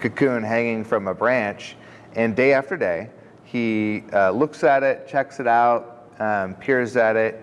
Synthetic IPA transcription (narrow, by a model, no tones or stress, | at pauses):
kʰɨkʰʉ̃nɦæ̃ŋɪ̃ŋfɹʌ̃məbɹæ̃nt͡ʃ | ɨ̃ndeɪæftə˞deɪ | i | lʊksɨɾɪt̚t͡ʃʰɛksɨɾaʊt̚ | pʰɪɹzɨɾɪt̚